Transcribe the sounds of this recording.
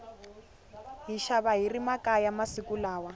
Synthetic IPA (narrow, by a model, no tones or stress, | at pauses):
ɦiʃaβaɦirimakajamasikulaːwa